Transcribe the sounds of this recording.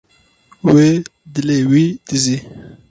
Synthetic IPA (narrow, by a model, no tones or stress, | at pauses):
wed̪ilewid̪izi